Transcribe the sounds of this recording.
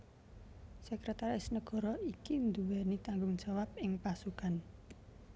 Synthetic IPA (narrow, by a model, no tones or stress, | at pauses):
səkɾet̪aɾɪsnəɡ̥ɔ̤ɾɔikind̪uwɛnit̪aŋɡʊŋ̥ʒ̥awap̚ɪŋpasukan